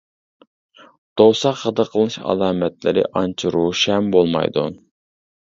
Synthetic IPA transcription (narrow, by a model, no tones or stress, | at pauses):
d̪̥osɑqːəd̪əqʰəlˠɨnɨʃɑ̰lˠɑːmɛt̪lɪ̰ɾɪ̰ʔɑnt͡ʃʰuɾuʃɛmbolˠmɑ̰jd̪u